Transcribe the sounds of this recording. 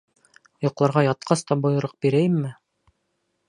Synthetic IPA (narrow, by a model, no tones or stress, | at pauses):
jŏqlˠɑɾʁɑjɑt̪̚qɑst̪ɑbŏjɤ̆ɾɤq̚biɾæjɘmːɘ